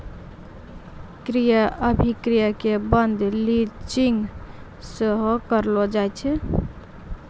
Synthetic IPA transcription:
kɾijəʔəbʱikɾijəkebənd̪ʱlit͡ʃiŋɡ | səɦokəɾlod͡ʒajt͡ʃʰɛ

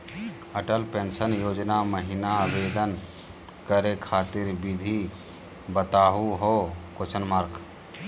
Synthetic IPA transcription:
əʈəlpẽnsənjoːd͡ʒnaməɦinabed̪ən | kəɾekʰaːt̪ɪɾbid̪ʱi | bət̪aːɦuɦokot͡ʃʰənmaɾk

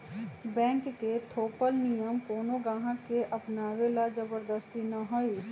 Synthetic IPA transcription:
bɛ̃ːŋkːet̪ʰoːpəlnijəmkoːnoɡãːɦãkeʔəpnaːwelad͡ʒəbəɾd̪əst̪inəɦoi

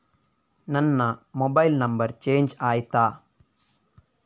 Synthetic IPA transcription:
nɐnːɐmobɐjilnɐmbɐɾt͡ʃeːɲd͡ʒaːjt̪aː

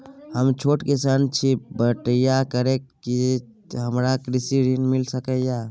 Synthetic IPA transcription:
həmt͡ʃʰoːʈkisant͡ʃʰibəʈəjakəɾekː | i | ɦəmɾakɾisiɾinmilsəkɛja

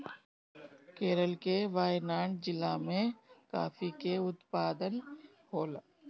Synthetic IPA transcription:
keːɾəlkeʋaːjnaːɳd͡ʒɪlamẽka̰ːfikeʊt̪paːd̪ən | ɦoːl

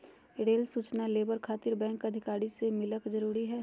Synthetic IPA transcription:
ɽeːlsuːt͡ʃnaleːbəɾkʰaːt̪ɪɾbɛ̃ːŋkɐd̪ʱɪkaːɾisemɪləkzəɾuːɾiɦɛː

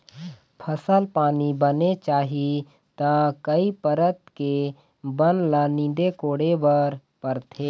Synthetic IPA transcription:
pʰəsəlpaːnibənet͡ʃaːɦi | t̪akəipəɾət̪ke | bənlaːnĩːd̪ekoːɽebəɾ | pəɾt̪ʰeː

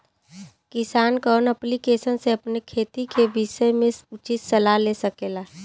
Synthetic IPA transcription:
kɪsaːnkɔːnəplikeːsənseɐpnekʰeːt̪ikebiʃəmẽʊt͡ʃit̪sɐlalesəkeːlaː

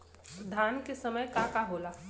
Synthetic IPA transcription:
d̪ʱaːnkesəməjkakaɦoːla

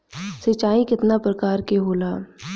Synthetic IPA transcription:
sɪt͡ʃaːikɪt̪napɾɐkaːɾkeɦoːlaː

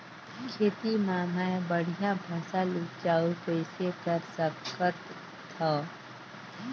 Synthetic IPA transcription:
kʰeːt̪imaːmaebəɽ̤ijãbʱaːsalut͡ʃaːukəɪsekɐɾsɐbkət̪ːʰ | a

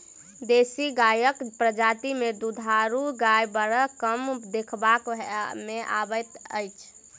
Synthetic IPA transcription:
d̪esiɡajəkpɾəd͡ʒat̪imed̪ud̪ʱaɾuɡajbəɾəkəmd̪ekʰbakmeʔa̰bəjt̪əjt͡ʃʰ

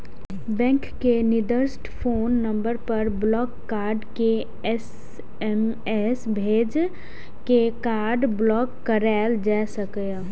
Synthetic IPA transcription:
bɛ̃ŋkkenid̪əɾsʈpʰoːnːəmbəɾpəɾblɔːkːaɾɖke | ɛs | ɛm | ɛsbʱeːd͡ʒ | kekaːɾɖblɔkːəɾald͡ʒasəkəj

